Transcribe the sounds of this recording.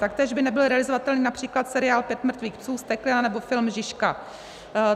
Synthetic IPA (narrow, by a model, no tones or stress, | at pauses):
t̪ak̚t̪ɛːʒbɪnɛbɪlɾɛalɪzovat̪ɛlniːnapr̥iːklat̪sɛɾɪaːlpjɛt̪mr̩t̪viːxpsuːst̪ɛklɪnanɛbo̞fɪlmʒɪʃka